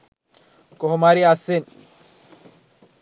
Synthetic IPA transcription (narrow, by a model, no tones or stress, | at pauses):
koɦomaɾiasin